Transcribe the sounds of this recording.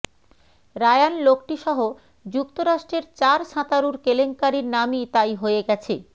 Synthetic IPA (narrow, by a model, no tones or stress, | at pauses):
ɾaeanlokʈiʃɔɦo | d͡ʑukt̪oɾaʃʈɾeɾt͡ɕaɾʃãt̪aɾuɾkeleŋkaɾiɾnamit̪ajɦoeɡɛt͡ɕʰḛ